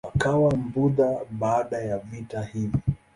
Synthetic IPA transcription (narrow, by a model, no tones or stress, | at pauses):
akawam̩buðaɓaːɗajavitahivi